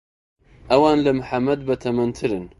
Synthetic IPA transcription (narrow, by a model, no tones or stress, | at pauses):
ʔɐwɑːnlamʊħamːɐd̪bat̪ʰɐmɐnt̪ʰɨɾɨn